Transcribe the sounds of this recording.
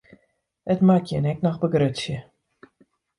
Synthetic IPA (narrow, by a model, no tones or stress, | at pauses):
ətmakʰjənɛk̚nɔxbəɡrøtsjə